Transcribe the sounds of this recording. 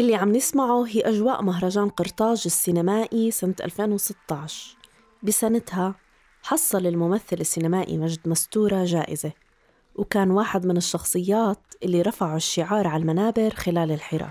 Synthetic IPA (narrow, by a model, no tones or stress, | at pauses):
ʔɪlːiʕamnɪsmaʕuɦiːʔaʒwaːʔmaɦɾˤɑʒaːnqɑɾt̪ˤɑːʒɪsːɪnamaːʔisɪnt̪ʔa̰lfeːnwsɪt̪ːɑʕʃ | bɪsanat̪ha | ħɑsˤːɑlɪlmʊmaθːɪlɪsːɪnamaːʔḭmaʒd̪mast̪uːɾˤaʒaːʔɪze | wkaːnwaːħɪd̪mɪnɪʃːɑxsˤɨjːaːt̪ʔɪlːiɾˤɑfaʕuʃːɪʕɑːɾˤʕalmanaːbɪɾxɪlaːlɪlħɪɾɑ̰ː